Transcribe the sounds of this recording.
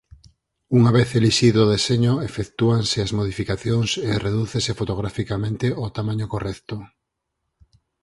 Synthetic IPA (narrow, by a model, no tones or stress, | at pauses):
uŋaβeθeliʃiðoðeseɲoefekt̪uaŋseazmoð̞ifikaθjoŋsereðuθesefot̪oɣ̞ɾafikamẽnt̪eot̪amãɲokorɛkt̪o